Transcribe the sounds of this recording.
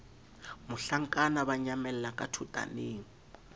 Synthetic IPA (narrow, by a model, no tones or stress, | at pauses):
mʊɬaŋ̩kʼanabaɲamɛlɛlakʼatʰutʼa̰nɪːŋ̩